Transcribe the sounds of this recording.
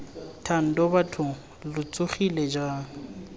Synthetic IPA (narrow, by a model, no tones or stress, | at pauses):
tʰan̩dɔbatʰʊ | lʊt͡sʼʊχilɛd͡ʒaːŋ̩